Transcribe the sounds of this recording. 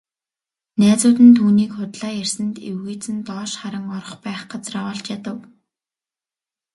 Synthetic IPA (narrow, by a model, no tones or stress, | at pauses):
næːt͡sʊːt̪ɘ̆nt̪ʰuːniːkχʊt̪ɮaːjærsɘ̆nt̪ewɣujt͡sɘ̆nt̪ɔːʃχaɾə̆ŋɔɾɞ̆χpæːχɢat͡srawəːɮt͡ɕjat̪ə̆w